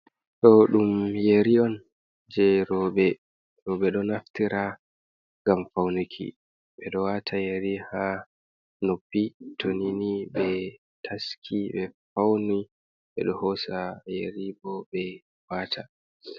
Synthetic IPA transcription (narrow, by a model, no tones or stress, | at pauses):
ɗɔɗumjeɾiɔn | d͡ʒɛɾɔːɓɛ | ɾɔɓɛɗɔnaftiɾʔa | ŋɡamfawnikʰḭ | ɓɛɗɔwatʰajeɾiha | nopːitʰoniniɓɛ | tʰaskʰiɓɛfawni | ɓɛ̰ɗɔhɔsajeɾibɔɓɛ | waːtʰa